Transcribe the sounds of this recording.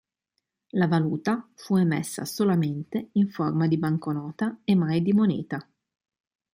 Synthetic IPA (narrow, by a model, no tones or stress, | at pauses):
lavaluːt̪afuemɛ̰sːa̰solament̪eiɱformad̪ibaŋkonɔːt̪aemːajd̪imonḭːt̪a